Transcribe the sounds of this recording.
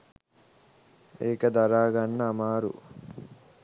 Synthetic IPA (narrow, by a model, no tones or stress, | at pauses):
eːkəd̪aɾaːɡanːɐːmaːɾṵ